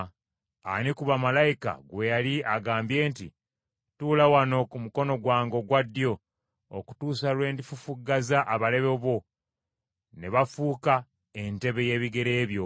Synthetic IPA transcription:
a̰nikuβamalajika̰ɡwe̞jaliaɡaːmbje̞ːntḭ | tuːlawano̞kumuko̞no̞ɡwaːŋɡo̞ɡwadːjo̞ | oku̥tuːsalwe̞ːndifufuɡazaʔːβale̞βeβo̞ | ne̞βafuːka | e̞nte̞βe̞je̞ːβiɡe̞ɾe̞ːβjo̞

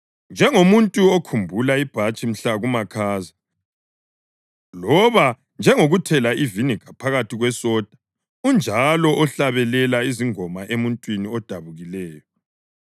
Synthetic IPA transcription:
nd͡ʒʱɛŋomuntʼuɔkʰumbʱulaib̥ʱat͡ʃʼim̩ɬaɣumakʰaːza | lɔβa | nd͡ʒʱɛŋoɣutʰɛlaivinikʰapʰaɣatʰiɣwɛsɔd̥ʱḁ | und͡ʒʱalɔʔɔɬaβɛlɛlaiziŋɔmaʔemuntʼwiniɔd̥ʱaβuɣilɛːjɔ

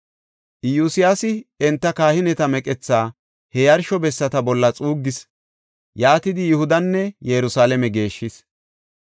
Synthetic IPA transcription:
ʔjuːsɪjasɪɛnt̪ːɐkaːhɪnɛt̪ɐmɛkʼɛt͡sːaː | hɛjɐɾʃɔbɛsːɐt̪ɐbɔlːɐt͡sʼuːɡːɪs | jaːt̪ɪd̪ɪjʊhʊd̪ɐnːɛjɛɾʊsaːlɛmɛɡe̞ːʃːɪs

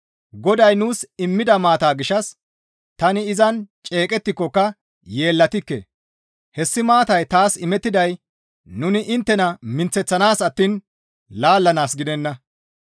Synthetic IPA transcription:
ɡɔd̪ɐjnuːsɪmːɪd̪ɐmaːt̪aːɡɪʃɐs | t̪ɐnɪɪzɐnt͡ʃʼe̞ːkʼɛt̪ːɪkːɔkːɐ | je̞ːlːɐt̪ɪkːḛ | hɛsːɪmaːt̪ɐjt̪aːsɪmɛt̪ːɪd̪ɐj | nʊnɪʔɪnt̪ːɛnɐmɪnt͡sːɛt͡sːɐnaːsɐt̪ːiːn | laːlːɐnaːsɡɪd̪ɛnːɐ

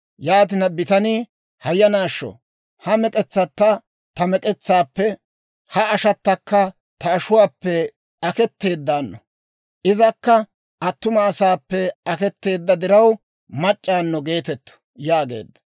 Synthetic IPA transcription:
jaːt̪̬ɪnɐbɪt̪ɐnɪ | hɐjːɐnaːʃːɔ̰ | hɐmɛkʼɛt͡sːɐt̪ːɐ | t̪ɐmɛkʼɛt͡sːaːpːɛ | hɐɐʃɐt̪ːɐkːɐ | t̪ɐːʃʊwaːpːɛ | ɐkɛt̪ːe̞ːd̪ːaːnːɔ | ʔɪzɐkːɐ | ʔɐt̪ːʊmɐːsaːpːɛɐkɛt̪ːe̞ːd̪ːɐd̪ɪɾɐw | mɐt͡ʃʼːaːnːɔɡe̞ːt̪ɛt̪ːɔ̥ | jaːɡe̞̰ːd̪ːɐ̥

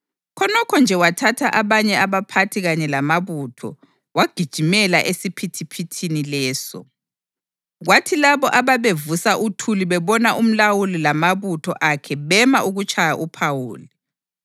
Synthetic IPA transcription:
kʰɔnɔkʰɔnd͡ʒʱɛwatʰatʰaʔaβaɲɛaβapʰatʰiɣaɲɛlamaβutʰɔ̰ | waɡ̥ʱid̥ʒ̥ʱimɛlaʔesipʰitʰipʰitʰinilɛːsɔ̰ | ɣwatʰilaβɔʔaβaβevusaʔutʰuliβɛβɔnaʔum̩lawulilamaβutʰɔ̰ʔakʰɛβɛmaʔuɣut͡ʃʼʰajaʔupʰawuːli

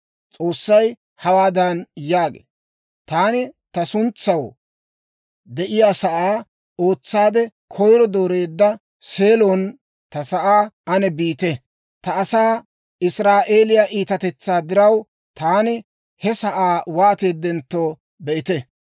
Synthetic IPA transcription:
t͡sʼo̞ːsːɐj | hɐwaːd̪ɐnjaːɡḛː | t̪aːnɪt̪ɐsʊnt͡sːɐw | d̪ɛʔɪjaːsɐʔaː | o̞ːt͡sːaːd̪ɛkʰɔjɾɔd̪oːɾe̞ːd̪ːɐ | se̞ːlon | t̪ɐsɐʔaːɐnɛbiːt̪ɛ | t̪ɐːsaː | ɪsɾaːʔeːlɪjɐʔiːt̪ɐt̪ɛt͡sːaːd̪ɪɾɐw | t̪aːnɪ | hɛsɐʔaːwaːt̪eːd̪ːɛnt̪ːo̞ː | bɛʔɪt̪ɛ

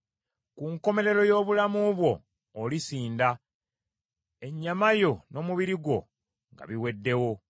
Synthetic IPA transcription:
kuŋko̞me̞ɾe̞ɾo̞jo̞ːβulamuβwo̞ː | lisiːnda | e̞ɲːamajo̞no̞ːmuβiɾiɡwo̞̰ | ŋɡa̰βiwe̞dːe̞wo̞

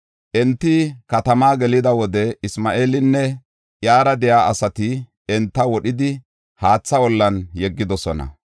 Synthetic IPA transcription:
ʔɛnt̪ːɪkɐt̪ɐmaːɡɛlɪd̪ɐwɔd̪ɛɪsmaːʔeːlɪnːɛ | ʔjaːɾɐd̪ɛjaːʔɐsɐt̪ɪ | ɛnt̪ːɐwɔɗɪd̪ɪ | haːt͡sːɐwɔlːɐnjɛɡːɪd̪ɔsɔnɐ̰

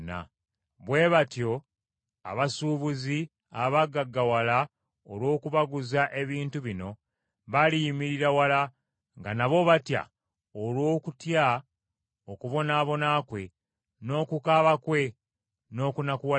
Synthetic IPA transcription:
na̰ | βwe̞βatjo̞ | a̰βasuːβuzi | aβaɡaɡːawala | olwo̞ːkuβaɡuzaʔe̞βiːntuβino̞ | βalijimiɾiɾawala | ŋɡanaβo̞βatja̰ | olwo̞ːkutja | okuβo̞naːβo̞naːkwe̞ | no̞ːkukaːβakwe̞ | no̞ːkunakuwa

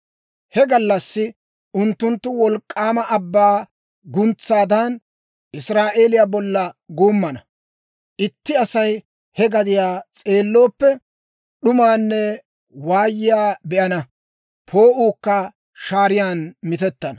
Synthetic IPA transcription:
hɛɡɐlːɐsːɪ | ʔʊnt̪ːʊnt̪ːʊwɔlkʼːaːmɐʔɐbːaː | ɡʊnt͡sːaːd̪ɐn | ʔɪsɾaːʔe̞ːlɪjaːbɔlːɐɡuːmːɐnɐ | ʔɪt̪ːɪɐsɐj | hɛɡɐd̪ɪjaːt͡sʼe̞ːlːo̞ːpːɛ | ɗʊmaːnːɛ | waːjːɪjaːbɛʔɐnɐ | pʰo̞ːʔuːkːɐ | ʃaːɾɪjaːnmɪt̪ɛt̪ːɐnɐ

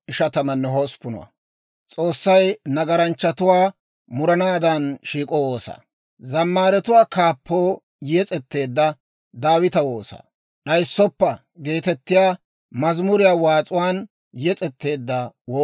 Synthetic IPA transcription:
ʔɪʃɐt̪ɐmɐnːɛɦɔspːʊnʊ̰wɐ̰ | t͡sʼo̞ːsːɐjnɐɡɐɾɐnt͡ʃːɐt̪ʊwaː | mʊɾɐnaːd̪ɐnʃiːkʼɔwoːsa̰ː | zɐmːaːɾɛt̪ʊwaːkaːpːoː | jɛt͡sʼɛt̪ːe̞ːd̪ːɐ | d̪aːwɪt̪ɐwoːsa̰ː | ɗɐjsːɔpːɐ | ɡe̞ːt̪ɛt̪ːɪjaː | mɐzmʊɾɪjaːwaːt͡sʼʊwaːn | jɛt͡sʼɛt̪ːe̞ːd̪ːɐwoː

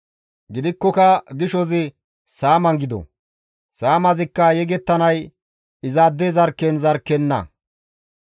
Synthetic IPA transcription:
ɡɪd̪ɪkːɔkɐɡɪʃɔzɪ | saːmɐŋɡɪd̪ɔ̰ | saːmɐzɪkːɐjɛɡɛt̪ːɐnɐj | ɪzaːd̪ːɛzɐɾkːɛnzɐɾkːɛnːɐ̰

